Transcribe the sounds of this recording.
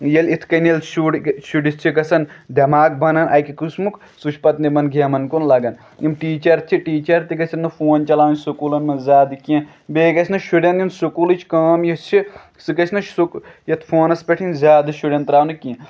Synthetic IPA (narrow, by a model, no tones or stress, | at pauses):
jɐlit̪ʰkɐnjelʃuɽʃuɖist͡ʃʰikɐsɐnd̪ɐmaːk̚bʱɐnɐnʔɐjkikusmuk | sut͡ʃʰpɐt̪nimɐnɡʱɐmɐnkunlɐɡɐn | imʈiːt͡ʃɐɾt͡ʃʰiʈiːt͡ʃɐɾt̪iɡɐsʰʲɐnːɨfoːnt͡ʃɐlaːnsukuːlɐnmɐnzʲaːd̪ɨkiɐ̃ | beːɡɐsʰnɐʃuɽʲɐninsukulɨt͡ʃʰkaːmjit͡ʃʰi | sɨkɐt͡ʃʰnɐt͡ʃsukjɐt̪ʰfʰoːnɐspʲeʈʰinzʲjaːd̪ɨʃuɽʲjɐnt̪ɾaːnɨkiẽ